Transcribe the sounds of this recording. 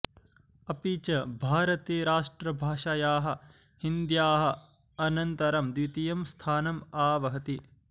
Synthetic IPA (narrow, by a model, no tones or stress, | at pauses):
ɐpiːt͡ʃɐbʱaːɾɐt̪eːɾaːʂʈɾɐbʱaːʂɐjaːɦɐ̆ | hind̪jaːɦɐ̆ | ɐnɐnt̪ɐɾɐmd̪it̪ijɐmst̪ʰaːnɐmaːʋɐɦɐt̪i